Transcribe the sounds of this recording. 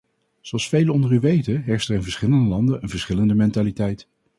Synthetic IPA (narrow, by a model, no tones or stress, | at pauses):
z̥oɑlˠsfejləɔndəɹyʋejtəɦɛɹstɛɹɪnvəɹsχɪləndəlɑndənənvəɹsχɪləndəmɛntalitɛjt